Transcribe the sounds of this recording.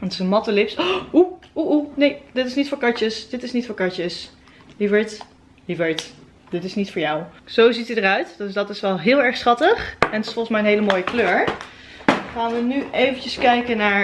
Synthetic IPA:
ntɪsənmɑtəlɪpsuuʔunejdɪtɪsnitfʊːɹkɑt͡ʃəsd̥ɪtɪsnitfʊːɹkɑt͡ʃəs | livət | livəɹt | dɪtɪsnitfʊːɹjawz̥owzitədərœɥtdsdɑtɪsʋɛlˠɦɪːlˠɛɹχsχɑtəχɛnətɪsfɔlˠχəsmɛjənɦejləmoːjəkløːɹ | χaːnʋənyejvənt͡ʃəskɛjkənaːɹ

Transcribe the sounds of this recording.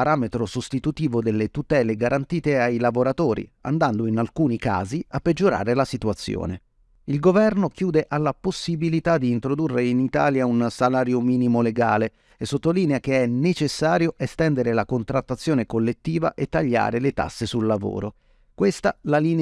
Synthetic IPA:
aɾaːmet̪ɾosost̪it̪ut̪iːvod̪elːet̪ut̪ɛːleɡaɾʔant̪iːt̪eajlavoɾat̪oːɾḭa̰nd̪and̪oinalkuːnika̰ːziapːed͡ʒːoɾa̰ːɾelasit̪uat̪sːjo̰ːne | ilɡovɛrnokjuːd̪eʔalːaposːibilit̪ad̪ːiːnt̪ɾod̪urːeinit̪aːljaunsalaːɾjomiːnimoleɡaːle | esːot̪ːoliːneak̟eɛnet͡ʃesːaːɾjoʔest̪ɛnd̪eɾelakont̪ɾat̪ːat̪sːjoːnekolːet̪ːiːva̰ʔet̪ːaʎːa̰ːɾelet̪a̰sːesulːavo̰ːɾo | kwest̪alaliːn

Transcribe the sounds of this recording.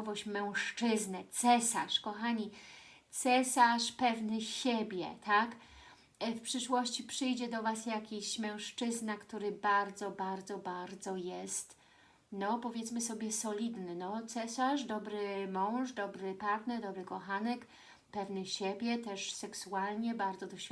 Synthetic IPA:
vɔɕt͡ɕmɛ̃w̃ʂt͡ʂɘznɛt̪sɛsaʂkɔxaɲi | t̪sɛsaʂpɛvnɘɕebʲjɛ̰t̪ak | fpʂɘʂwɔɕt͡ɕipʂɘjd͡ʑɛd̪ɔvasjakʲiɕmɛ̃w̃ʂt͡ʂɘznakt̪uɾɘbaɾd̪zɔbaɾd̪zɔbaɾd̪zɔjɛst̪ | nɔpɔvʲjɛt̪smɘsɔbʲjɛsɔlʲid̪nɘnɔt̪sɛsaʐd̪ɔbɾɘmɔ̃w̃ʐd̪ɔbɾɘpat̪nɛɾd̪ɔbɾɘkɔxanɛk | pɛvnɘɕebʲjɛt̪ɛʂsɛksualɲɛbaɾd̪zɔd̪ɔɕʲ

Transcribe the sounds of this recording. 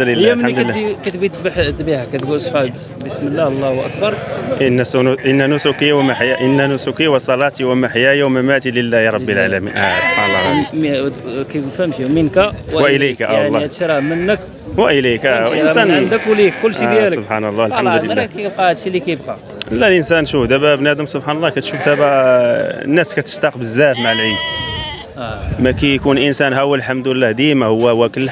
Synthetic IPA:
ljæmnad̪kæt̪bit̪bħt̪bihakæt̪ɡulsˤħad | bəsməlːæhlˤːɑwʔæ̰kbɑɾˤʔənːæsnʔənːænʊsukiwmaħjaʔənːænʊsukiwəsˤɑlɑt̪iwəmaħjæjawmæmæt̪iləlːæɾˤɑbːəlʕalæmḭnʔsħɑnɑ | kæjɡufæmʃimənkæwwʔəlæjkaʔaʕlˤːhæt̪ʃɾˤɑmənːək | wəʔəlæjkæwʔənsænnd̪əkwlikkʊlːʃijæləsobħanəlˤːɑlħamd̪əlːæjəb̚qɑəd̪ʃilikæjb̚qɑ | əlːælʔənsænʃufd̪æbæbnæd̪əmsˤobħanəlˤːɑkæt̪ʃufd̪æbæ | nːæskæt̪ə̥st̪ɑqbəzːæfmaʕəlʕid̪̚ | mækæjkunʔənsænɦæwəlħamd̪əlːæhd̪imæhʊwːæwːækəlː

